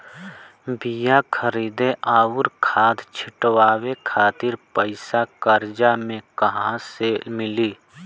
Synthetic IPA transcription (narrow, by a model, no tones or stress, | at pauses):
bijakʰəɾiːd̪eʔaːʊɾkʰaːd̪t͡ʃʰɪʈwaːwekʰaːt̪ɪɾpəɪsakəɾd͡ʒamẽkɐɦãsemɪliː